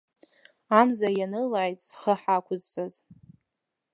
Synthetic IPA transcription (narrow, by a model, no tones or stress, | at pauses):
amzajanɨlaʕjtʼsχəħakʷʰʊzt͡sʼaz